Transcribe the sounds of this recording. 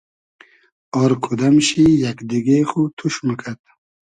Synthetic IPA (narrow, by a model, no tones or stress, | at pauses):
ɔɾkʰud̪amʃijakd̪iɡeχut̪ʰuʃməkʰad̪̚